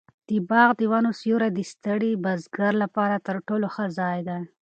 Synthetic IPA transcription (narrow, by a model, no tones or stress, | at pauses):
d̪̥əbɑɣd̪əwanosjuɾad̪ist̪əɽibazɡaɾlapɑɾat̪əɾʈoloxəzɑjd̪aj